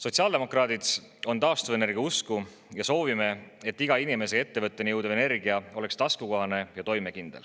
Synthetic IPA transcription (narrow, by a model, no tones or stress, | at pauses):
so̞t̪ʲsiɑld̪̥e̞mo̞krɑːd̪̥id̪s | o̞nt̪ɑost̪ɑveneɾɡ̥ɑusku | jɑso̞ːvime̞e̞t̪ːiɡ̥ɑinime̞se̞e̞t̪ːe̞vɤt̪ːˑenijɤwd̪̥ɑve̞ne̞rɡ̥iɑo̞le̞kst̪ɑskukoɦɑne̞jɑt̪o̞jme̞kind̪̥el